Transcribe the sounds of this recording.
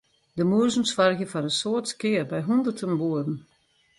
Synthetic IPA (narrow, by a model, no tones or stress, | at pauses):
dəmuəzən̩sfarɣjəfɔɾəsoətskɪːərbɛjɦundərtʰənʋuədn̩